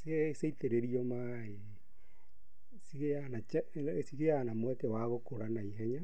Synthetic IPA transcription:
sieseiteɾeɾiɔma | e | siɣeanat͡ʃ | siɣeanamwɛtɛwaɣokoɾanaiɦɛɲa

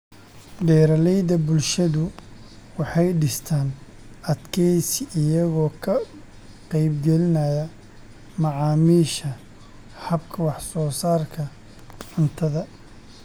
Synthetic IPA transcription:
ɖɛːɾɐlɛjðɐbʊlʃɐðʊ | wɑħɑjɖɪst̪ʰaːn | ʔɐd̪kʰɛjsɪjɐɣɔːkʰɐ | qɛjbɡɛlɪnɐjɐ | mɑʕɑːmiːʃɐ | hɐbkʰɐwɑħsɔːsaːrkʰɐ | ʕɪnt̪ʰɐðɐ

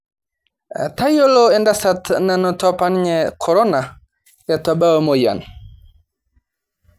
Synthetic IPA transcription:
tajoloɛndasatnanɔtɔpanɲɛkʰɔɾɔna | jatɔbawmoja̰n

